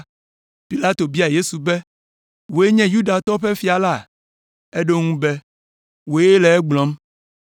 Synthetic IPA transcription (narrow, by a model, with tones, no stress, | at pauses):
pi˨la˦t̪o˨bi˦a˨je˦su˨bɛ˦ | wo˨e˦ɲɛ̃˦ju˦ɖa˨t̪ɔ˦ɸɛ˦fi˦a˨la˦˨ | e˦ɖo˦ŋũ˦bɛ˦ | wo˨e˦lɛ˨ɛ˦ɡ͡blɔ̃˦m